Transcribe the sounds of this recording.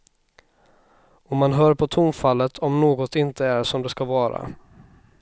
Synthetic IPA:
ɔmːanɦœːɾpʰɔt̪ʰʊmfalːət̪ʰɔmnoːɡɔt̪ɪnt̪əæɾʂɔmd̪ɛskavɑːɾa̰

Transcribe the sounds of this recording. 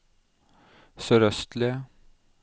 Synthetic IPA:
soɾœst̪le

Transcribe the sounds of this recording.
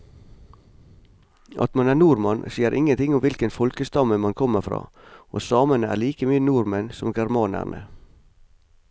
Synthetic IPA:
ʔɑ̰t̪mɑnæːnuːɾmɑnsiːəɾʔɪŋənt̪ʰɪŋʊmʋɪlkənfɔlkəst̪ɑməmɑnkʰɔməfɾɑ̰ː | o̰ːsɑːmənəæ̰ːɭiːkəmyːənuːɾmənsɔmɡæɾmɑːnæ̰ɳʔə̰

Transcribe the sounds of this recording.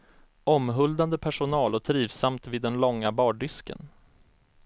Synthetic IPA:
ɔmɦɵld̪and̪əpʰæʂʊnɑːlɔt̪ʰɾiːvsamt̪vɪd̪ːɛnlɔŋːabɑːɖʏskə̰n

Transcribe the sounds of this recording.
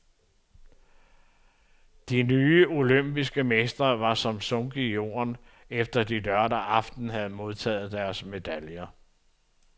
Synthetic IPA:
d̥inyːo̝løm̰b̥isɡ̥əmesd̥ɐʋɑ̈sɒ̽msɔ̽ŋɡ̥ijo̝̰ːɐ̰n | efd̥ɐd̥idɶɐɾɐʔɑ̈fd̥n̩ɦæð̞̩ˠmo̝ð̞ˠt͡sʰɛ̰ːð̞̩ˠd̥æɐsme̝d̥æljɐ

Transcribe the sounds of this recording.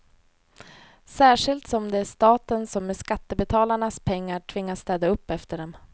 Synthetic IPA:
sæːʂɪlt̪sɔmd̪ɛæʂt̪ɑːt̪ənsɔmːɛʂkat̪ːəbɛt̪ʰɑːlaɳaspʰɛŋːaʈʰvɪŋːast̪ɛːd̪aɵpːɛft̪əɖɛm

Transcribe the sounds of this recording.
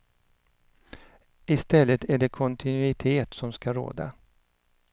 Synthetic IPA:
ɪst̪ɛlːət̪ʰæɖɛkʰɔnt̪ʰɪnʉɪt̪ʰeːt̪sɔmskaɾo̰ːd̪a̰

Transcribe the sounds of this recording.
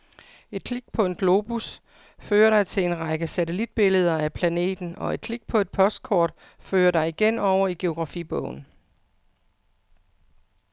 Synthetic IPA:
e̝d̥̚kʰliɡ̥̚pʰɒ̽e̝nɡ̥lo̝ːb̥us | føːɐɾɑ̈ɪt͡sʰe̝le̝nʁɑ̈ɡ̥əsæt͡sʰelid̥̚b̥e̝ləð̞ˠɐæpʰlæne̝̰ːd̥n̩ɒ̽e̝d̥̚kʰliɡ̥̚pʰɒ̽e̝d̥̚pʰɒ̽sd̥̚kʰɒ̰ːd̥ | føːɐdɑ̈ɪiɡ̥enɒʊ̰ɐiɡ̥e̝o̝ɡ̥ʁɑ̈fib̥ɔʊ̰n̩

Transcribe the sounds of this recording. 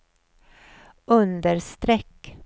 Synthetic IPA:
ʔɵnd̪əɾst̪ɾɛkː

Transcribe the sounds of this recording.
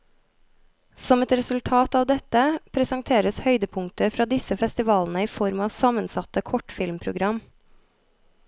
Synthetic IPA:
sɔmɛt̪ɾɛsʉlt̪ʰɑːt̪ɑːʋd̪ɛt̪əpʰɾɛsɑŋt̪ʰeːɾəshœʏd̪əpʰʊŋt̪əfɾɑːd̪ɪsəfɛst̪ɪʋɑːln̩əiːfɔɾmɑːʋsɑmənsɑt̪əkʰɔʈfɪlmpʰɾʊɡɾɑm

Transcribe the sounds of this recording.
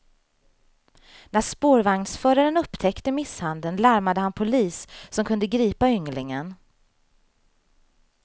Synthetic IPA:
næʂpoːɾvaŋnsfœːɾaɾənɵpːt̪ʰɛkt̪əmɪshand̪ənlaɾmad̪əhanpʰʊliːsːɔmkʰɵnd̪əɡɾiːpaʏŋlɪŋən

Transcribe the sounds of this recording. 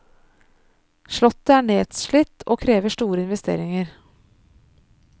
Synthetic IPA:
ʂɭɔt̪ːəæːɳeːd̪ʃɭɪt̪ːoːkʰɾeːʋəʂʈuːɾəɪnʋɛst̪ḛːɾɪŋəɾ

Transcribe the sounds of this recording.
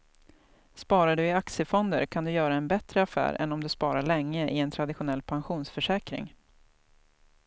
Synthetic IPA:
spɑːɾaɖɵɪaksəfɔnd̪ə̰ɾkʰand̪ɵjœːɾaɛnbɛt̪ɾəafæ̰ːɾɛ̰nːɔmd̪ɵspɑːɾaɭɛŋːəʔɪɛnt̪ʰɾad̪ɪɧʊnɛlːpʰanɧuːnsfœʂɛːkɾɪ̰ŋ

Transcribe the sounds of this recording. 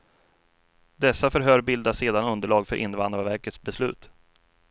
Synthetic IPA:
d̪ɛsːafœɾɦœːɾbɪld̪aseːd̪anɵnd̪əɭɑːɡfœɾʔɪ̰nvand̪ɾavæɾkət̪sbɛslʉ̟ːt̪

